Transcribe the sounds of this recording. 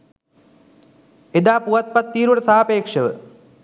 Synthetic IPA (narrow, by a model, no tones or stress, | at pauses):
ed̪aːpuʋat̪̚pat̪ːiːɾuʋəʈəsaːapeːkʂəʋə̰